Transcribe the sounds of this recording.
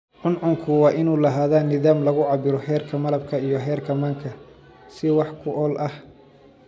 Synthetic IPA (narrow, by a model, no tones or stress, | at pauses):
ʕʊnʕʊŋkʰʊwɑːʔɪnuːlɐɦaːðaːnɪðaːmlɐɣʊʕɑbɪɾɔhɛːrkʰɐmɐlɐb̚kʰɐijɞɦɛːrkʰɐmaːŋkʰɐ | sɪwɑħkʰʊʔɔːlʔɐh